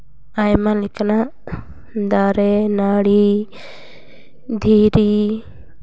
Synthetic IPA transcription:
ajmãlɪkʰna | d̪aːɾenaːɽi | d̪ʱiːɾi

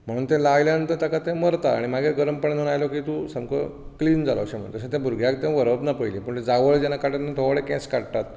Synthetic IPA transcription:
m̤əɽ̃uːnt̪ẽlajljaənt̪əɾt̪akat̪ẽməɾt̪aa̰ɽ̃imaɡʱeɡəɾəmpəɳenənajlokiːt̪ũsə̃mkʰə | kliːnd͡zalə̰ʋɕẽm̤ə̰̃t̪əɕãt̪ẽbʱuɾɡʱjakt̪ẽʋəɾəbnapəjliːpəɳt̪ed͡zaʋəɭd͡ʑenakaʈanat̪ʰoʋəɭekɛ̰̃skaɽt̪at̪̚

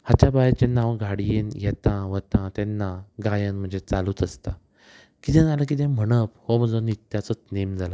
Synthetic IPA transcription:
hat͡ɕabajat͡ɕẽnãwɡʱaɽijenjɛt̪ãʋət̪ãt̪ɛnːaɡajənm̤əɳd͡zet͡saluːt̪əst̪a | kit̪ɛ̃d͡zalək̬it̪̬ɛ̃m̤əɽ̃əphoməd͡zonit̪jat͡sɔt͡snemd͡zala

